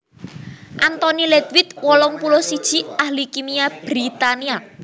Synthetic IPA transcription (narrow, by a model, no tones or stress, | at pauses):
ʔant̪ɔnilet̪wɪt̪̚wɔlɔŋpulɔsid̥ʒ̥i̤ahlikimiab̥ɾit̪ania